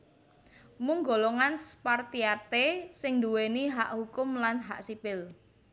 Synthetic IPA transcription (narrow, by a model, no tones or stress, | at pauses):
muŋɡoloŋanspart̪iart̪esɪŋnd̪uweniɦaʔhukʊmlanɦa̰ʔsipɪl